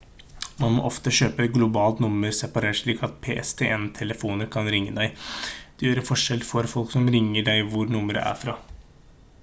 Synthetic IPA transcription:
mɑnmɔ̰ʔɔft̪əɕøːpəɡlʊbɑːlt̪nʊməɾsɛpɑɾeːʂɭiːkɑt̪̚pʰeːʔɛst̪ʰeːʔɛnt̪ʰɛləfuːnəɾkʰɑnɾɪŋːəd̪æɪd̪̥ɛjøːɾəfɔʂɛlfɔɾfɔlksɔmɾɪŋːəɖæɪʋʊɾnʊməɾə̰ʔæ̰ɾfɾɑː

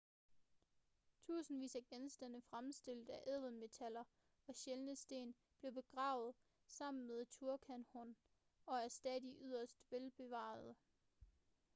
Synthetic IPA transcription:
t͡sʰṵːsn̩ʋḭːsæɡ̥ensd̥æn̰əfʁamsd̥e̝l̰d̥æʔɛð̰ˠən̩me̝t͡sʰælɐ | ɒ̽ɕelnəsd̥e̝̰ːn | b̥le̝b̥e̝ɡ̥ʁɑ̈ʊð̞̩ˠ | sɑ̈m̰n̩meðˠt͡sʰuɐkʰænhɔn | ɒ̽æɐsd̥ɛðˠiʔyð̞̰ˠɐsd̥ʋelb̥e̝ʋɑ̰̈ð̩ˠ

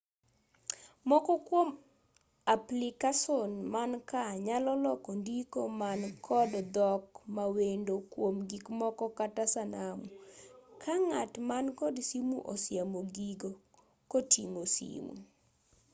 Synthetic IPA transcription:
mɔkɔkwom | aplikasonmankaɲalɔlɔkɔndikomankʰɔdd̪ɔkmawendokwomɡikmɔkɔkatasanamukʰaŋatmankɔdsimuʔɔ̰sjamoɡiɡo | kotḭŋosḭmṵ

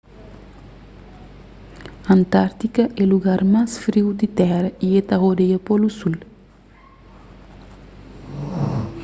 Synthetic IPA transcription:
ɐnt̪aɾt̪ikɐʔeluɡaɾmasfɾiwd̪it̪ɛɾɐiet̪aɦod̪ejɐpolusul

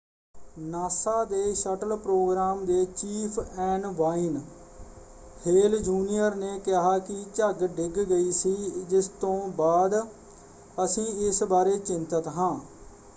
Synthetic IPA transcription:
naːsaːd̪eːʃəʈəlpɾoːɡɾaːmd̪eːt͡ʃiːpʰɛːɳʋaːɪn | heːld͡ʒuːnijəɾneːkɪɦaːkɪt͡ʃəɡɖɪɡɡəiːsiːd͡ʒɪst̪õːbaːd̪ | əsĩːɪsbaːɾeːt͡ʃɪnt̪ət̪ɦãː

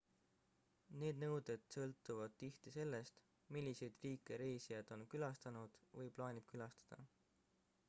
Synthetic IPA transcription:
ne̞ːd̪nɤwd̪e̞d̪̥sɤ̞lt̪ːˑuvɑd̪̥̚t̪iht̪ise̞lːe̞st̪ | milʲːise̞jd̪̥riːkːˑe̞ɾe̞ːsijɑd̪̥o̞nkylɑst̪ɑnud̪̥vɤjplɑːnʲib̥kylɑst̪ɑ̥d̪̥ɑ

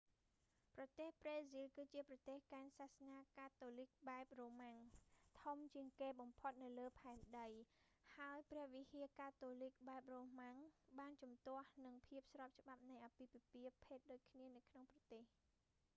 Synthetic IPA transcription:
prɑt̪eːhpreːzilkɨːt͡ɕiəprɑt̪eːhkaɛnsahsnaːkaːt̪oːlik̚ɓaɛp̚roːmaŋt̪ʰumt͡ɕiəŋkeːɓɑmpʰot̪̚nɨwləːpʰaɛmɗəj | haəjprɛ̆əhʋihiəkaːt̪oːlik̚ɓaɛp̚roːmaŋɓaːnt͡ɕɑmt̪ŏəhnɨŋpʰiəp̚srɑːp̚t͡ɕə̆ɓap̚nɨjʔapiːpipiəpʰeːt̪̚ɗoːc̚kʰniənɨwkʰnoŋprɑt̪eːh

